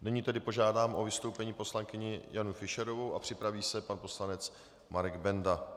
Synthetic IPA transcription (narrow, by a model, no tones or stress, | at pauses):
nɪɲiːt̪ɛdɪpo̞ʒaːdaːmʔo̞vɪst̪o̞wpɛɲiːpo̞slaŋkɪɲɪjanufɪʃɛɾo̞vowʔapr̥ɪpɾaviːsɛpanpo̞slanɛt͡s | maɾɛɡbɛnda